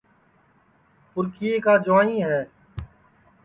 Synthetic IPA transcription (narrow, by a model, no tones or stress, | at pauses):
pʊɾkiːeːkaːd͡ʒʊʋaːĩːɦɛː